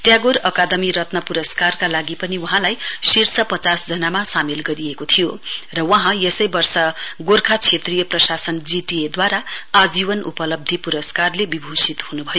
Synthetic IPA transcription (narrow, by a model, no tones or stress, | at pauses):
ʈjaɡoɾʌkad̪ʌmiɾʌt̪nʌpuɾʌskarkalaɡipʌniwuɦãlajsirsʌpʌt͡sasd͡zʌnamasamelɡʌɾijekot̪ʰijorʌwʌɦãjesʌjbʌrsʌɡorkʰat͡sʰet̪rijʌprʌsasʌnd͡ziʈied̪waɾaad͡zibʌnṵpʌlʌb̚d̪ʱipuɾʌskarlebibʱosit̪hunubʱʌjo